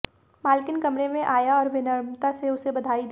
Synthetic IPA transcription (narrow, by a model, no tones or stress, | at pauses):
maːlkɪnkɐmɾemẽʔaːjaɔːɾʋɪnəɾmt̪aseʊsebɐd̪ʱaːid̪